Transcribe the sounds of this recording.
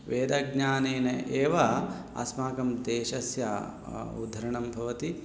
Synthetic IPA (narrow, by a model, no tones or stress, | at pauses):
ʋeːd̪ɐɡɲaːneːnɐʔeːʋɐ | ɐ̰smaːkɐmd̪eːʃɐsjɐ | ṵd̪ʱːɐɾɐɳɐmbʱɐʋɐt̪i